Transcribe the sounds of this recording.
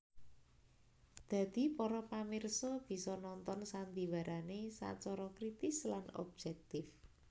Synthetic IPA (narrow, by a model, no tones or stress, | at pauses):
d̪̥ä̤d̪̥i̤pɔɾɔpamɪrsɔb̥i̤sɔnɔnt̪ɔnsand̪iwaɾanesa̰t͡ʃɔɾɔkɾit̪ɪslanɔ̰b̚d͡ʒɛk̚t̪ɪf